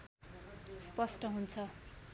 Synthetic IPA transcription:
spʌsʈʌɦunt͡sʰʌ

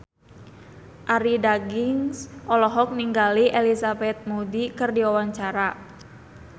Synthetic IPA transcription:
ʔaɾidaɡiŋsʔɔlɔɦɔk̚niŋɡaliʔelisabɛt̪̚mudikɨrdiawaɲt͡ʃaɾa

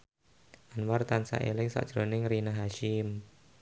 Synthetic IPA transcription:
ʔanwart̪ansa̰ʔelɪŋsa̰ʔʒ̥ɾonɪŋrinaɦaʃɪm

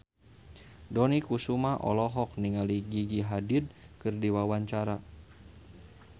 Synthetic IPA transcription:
dɔnikusumaʔɔ̰lɔɦɔk̚niŋaliɡiɡiɦadid̚kɨrdiwawaɲt͡ʃaɾa

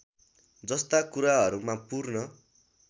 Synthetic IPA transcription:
d͡zʌst̪akuɾaɦʌɾumãpurnʌ

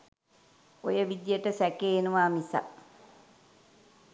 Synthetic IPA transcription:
ojəʋid̪jəʈəsɛkeːenuʋaːmisa̰

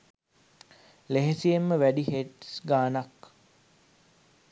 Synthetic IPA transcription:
leɦesijemːəʋæɖiɦeʈsɡaːnak

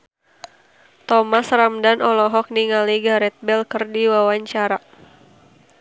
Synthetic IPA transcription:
t̪ɔmasramdanʔɔlɔɦɔk̚niŋaliɡaɾɛt̪̚bɛlkərdiwawaɲt͡ʃaɾa

